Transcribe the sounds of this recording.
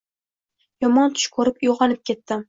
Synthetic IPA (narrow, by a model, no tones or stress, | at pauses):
jɒmɒnt̪ʰʊ̥ʃkʰɵɾɪpjoʁɑnɪp̚kʲʰe̞t̪ːɪ